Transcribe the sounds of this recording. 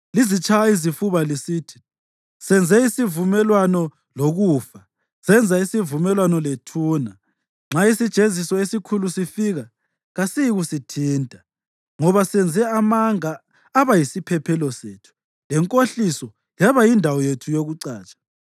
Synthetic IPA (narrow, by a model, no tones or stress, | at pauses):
lizit͡ʃʰʼajaizifuβalisiːtʰi̥ | sɛnd͡zʱɛisivumɛlwanɔ | loɣuːfa | sɛnd͡zʱaisivumɛlwanɔletʰuːna | ŋ͡ǁaisid̥ʒ̥ʱezisɔesikʰulusifiɣa | ɣasijiɣusitʰiːntʼa | ŋɔβasɛnd͡zʱɛamaŋaː | βajisipʰɛpʰɛlɔseːtʰu̥ | lɛŋkʼoɬisɔ | jaβajindʱawɔjetʰujoɣuǀaːt͡ʃʼḁ